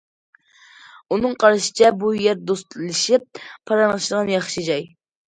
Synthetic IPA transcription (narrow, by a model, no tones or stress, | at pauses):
unɨŋqʰɑɾɨʃɪ̥t͡ʃʰɛbujɛɾd̪ost̪lɨʃip̚pʰːɑɾɑnʁɨʃd̪əʁɑnjɑχʃid͡ʒɑj